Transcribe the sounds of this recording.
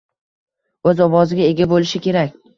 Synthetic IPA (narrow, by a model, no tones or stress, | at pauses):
ɵzɒwɒzɪɡʲae̞ɡʲabolɪʃɪkʲe̞ɾak̚ʲ